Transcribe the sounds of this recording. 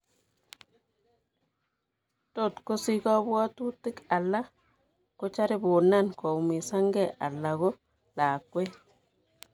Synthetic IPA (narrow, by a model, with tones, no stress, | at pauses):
to˦˨tko˦si˦kɔ˦bwa˦tu˦ti˦ka˨lːa˦ | ko˦t͡ʃa˦ɾi˦bo˨na˦˨nko˨mi˨sa˦ŋɡe˦˨ʔa̰˨lːa˨ɣo˦ | la˨kwe˦